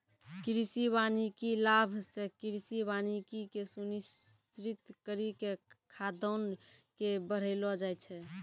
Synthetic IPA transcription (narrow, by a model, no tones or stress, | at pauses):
kɾisibanikilabʱsekiɾisibanikikesunis | t͡ʃɾit̪kəɾikekʰad̪ənkebəɾ̤elɔd͡ʒajt͡ʃʰɛ